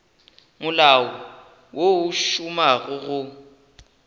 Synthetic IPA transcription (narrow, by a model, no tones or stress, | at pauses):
mʊlawɔ | wouʃumaɣʊɣʊ